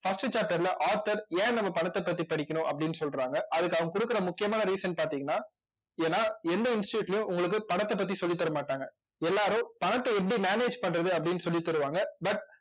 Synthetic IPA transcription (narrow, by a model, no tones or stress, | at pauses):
fɐsʈɯt͡ʃaːp̚ʈɐɾlɐʔaːɾt̪ɐɾẽːnɐmːɐpɐɳɐt̪ːɐpːɐt̪̬ːipɐɽɪkʲːɐɳʊ̃ʔɐpːɐɽɪnːɯsɔlɾaːŋɡɐʔɐðɯkːɐʋɐŋɡɐkʊɽɯkːɪɾɐmʊkːɪjɐmaːnɐɾiːsɐnpaːɾt̪iːŋɐnːaː | eːnːaːɛnd̪ɐɪnsʈɪʈuːʈːlɐjʊ̃ʔʊŋɡɐɭɯk̬ːɯpɐɳɐt̪ːɐpːɐt̪̬ːisɔlːɪt̪ːɐɾɐmaːʈːaːŋɡɐ | ɛlːaːɾʊ̃pɐɳɐt̪ːɐɛp̬ːɐɽimeːneːd͡ʒpɐɳːɾɐðɯɐpːɐɽɪnːɯsɔlːit̪ːɐɾɯʋaːŋɡɐbɐʈ̚